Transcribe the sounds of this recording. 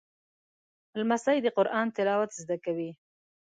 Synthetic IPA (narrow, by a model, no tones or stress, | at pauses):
lmasajd̪əqʊɾʔɑnt̪ɪlɑwat̪zd̪akawi